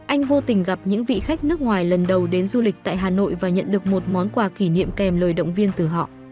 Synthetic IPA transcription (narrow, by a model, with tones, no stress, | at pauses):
ʔa˧jŋ̟vo˧t̪ï˨˩ŋ̟ɣa˨˩p̚ɲɨ̰˧˥ŋvḭ˧˨xa˦˥jk̟̚nɨ˦˥ək̚ŋwaː˨˩jlə˨˩nɗə˨˩wɗe˨˦nzu˧lï˨˩k̟̚t̪a̰ː˧˨ɦaː˨˩no̰˧˨jvaː˨˩ɲə̰˧˨nɗɨ˨˩ək̚mo˨˩t̚mɔ˨˦nkwaː˨˧˩ki˧˩nḭ˧˨əmkɛ˨˩mləː˨˩jɗə̰˧˨wŋ͡mvi˧ənt̪ɨ˨˩ɦɔ̰˧˨